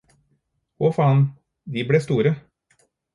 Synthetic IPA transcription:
ɔfɑːn | d̪iːbleːst̪uːɾə

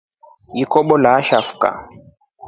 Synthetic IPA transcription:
jikɔɓɔlaʃafu̥ka̰

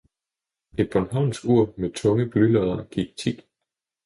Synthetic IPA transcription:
e̝d̥̚b̥ɒnɦɑ̈ʊ̰nsɡ̥uɐ̰met͡sʰɔ̽ŋəb̥lylɔðˠɐɡ̥iɡ̥̚t͡sʰḭ̥ː

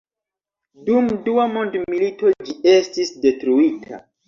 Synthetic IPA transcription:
dumduamondmilito̞d͡ʒie̞stisde̞tɾuitʰa̰

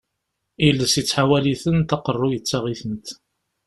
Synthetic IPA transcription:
ilːəsit͡sːħawæliθənt̪ɑqərˤːʊjət͡sːaʁiθənt̪

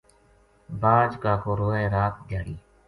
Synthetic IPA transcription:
baːd͡ʒkaːkʰoːɾoːẽːɾaːt̪̚d̪ʱjaːɽiː

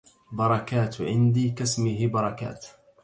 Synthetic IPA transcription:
bɑɾˤɑkaːt̪ʕɪnd̪iːkasmɪɦɪbɑɾˤɑka̰ːt̪

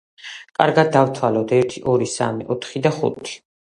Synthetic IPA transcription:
kʼaɾɡad̪̚ːaft̪ʰwalɔd̪ɛɾt̪ʰiʔɔɾisa̰miʔɔt̪ʰχid̪aχṵt̪ʰi̥

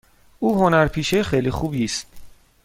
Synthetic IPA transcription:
ʔuːɦonæɾpʰiːʃexejlixuːbiːst̪̚

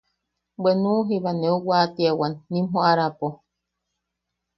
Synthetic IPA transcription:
benuɦiβaneuwat̪iawanːĩmɦoʔaɾapo

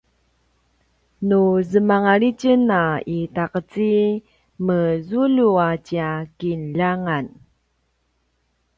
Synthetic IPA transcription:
nuzəmaŋaɭicənaitaqət͡si | məzuluat͡ɕiakinʎaŋan

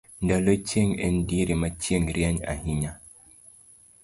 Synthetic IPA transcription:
ndalət͡ʃeŋḛndiɾimat͡ʃjeŋɾjaɲa̰hiɲa

